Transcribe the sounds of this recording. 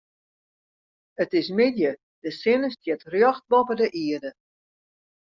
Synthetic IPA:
ətɪs̬mɪdjə | d̥əsɪnəstjɛtrjɔxt̚bɔpədəʔiədə

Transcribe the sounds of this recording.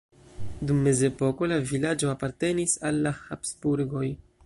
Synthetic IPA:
dumːe̞ze̞po̞ko̞lavilad͡ʒo̞apaɾte̞nisalːahapsbuɾɡo̞j

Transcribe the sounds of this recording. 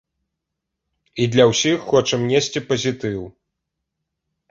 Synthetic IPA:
id̪lʲɐwsʲixːɔt͡ʂɐmnʲesʲt͡sʲipɐzʲit̪ɨw

